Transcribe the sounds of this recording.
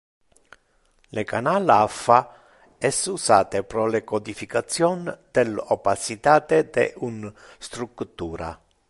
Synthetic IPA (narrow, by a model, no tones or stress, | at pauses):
lekanaːlafːa | ɛsusaːt̪epɾɔlekod̪ifikat̪sːjɔnd̪̥elɔpasit̪aːt̪ed̪ḛʔun | st̪ɾukt̪ːuːɾa̰